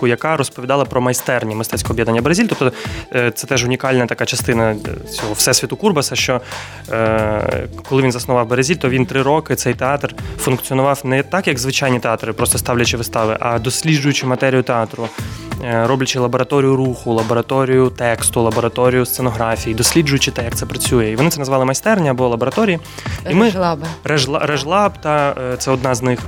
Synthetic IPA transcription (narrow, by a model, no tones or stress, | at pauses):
ʊjɐkɑɾɔspɔʋʲid̪ɑlˠɐpɾɔmɐjst̪ɛrnʲimɪst̪ɛt͡sʲkɔɔːbjɛd̪nɐnʲːɐbeɾɐzʲilʲt̪ɔpt̪ɔt̪sɛt̪ɛʒʊnʲikɑlʲnɐt̪ɐkɑt͡ʃɐst̪ɪnɐt͡sʲɔɦɔfsɛsʲʋʲit̪ʊkurbɐsɐʃt͡ʃɔ | kɔlˠɪʋʲinzɐsnʊʋɑwbeɾɐzʲilʲt̪ɔʋʲint̪ɾɪɾɔkɪt̪sɛjt̪eɑt̪rfʊnkt͡ssʲiɔnʊʋɑwnɛt̪ɑkjɐɡzʋɪt͡ʃɑjnʲit̪eɑt̪ɾɪpɾɔst̪ɔst̪ɑwlʲɐt͡ʃɪʋɪst̪ɑʋɪ̰ʔɐd̪ɔsʲlʲid͡ʒʊjʊt͡ʃɪmɐt̪ɛɾʲijʊt̪eɑt̪ɾʊ | ɾɔblʲɐt͡ʃɪlˠɐbɔɾɐt̪ɔɾʲijʊɾuxʊlˠɐbɔɾɐt̪ɔɾʲijʊt̪ɛkst̪ʊlˠɐbɔɾɐt̪ɔɾʲijʊst̪senɔɦɾɑfʲijid̪ɔsʲlʲid͡ʒʊjʊt͡ʃɪt̪ɛjɐkt̪sɛpɾɐt͡sʲujɛiʋɔnɪt̪sɛnɐzʋɑlˠɪmɐjst̪ɛrnʲiɐbɔɔlˠɐbɔɾɐt̪ɔɾʲiji | imɪrɐʒlˠrɐʒlˠɑbt̪ɑt̪sɛɔd̪nɑznɪx